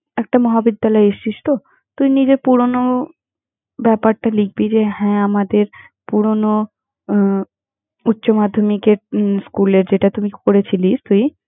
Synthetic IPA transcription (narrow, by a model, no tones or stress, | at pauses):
ɛk̚ʈamɔɦabid̪ːalɔeeʃiʃt̪o | t̪ujnid͡ʑeɾpuɾono | bɛpaɾʈaliɡ̚bid͡ʑehɛ̃amad̪eɾ | puɾono | utːɕomad̪ʱːomikeɾskuleɾd͡ʑeʈat̪umikoɾet͡ɕʰiliʃt̪uj